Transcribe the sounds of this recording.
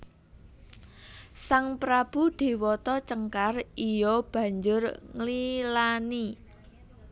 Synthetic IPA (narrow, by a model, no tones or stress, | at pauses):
saŋpɾab̥ṳɖ̪̥e̤wɔt̪ɔt͡ʃəŋkarijɔb̥a̤ɲd͡ʒʊrŋlilani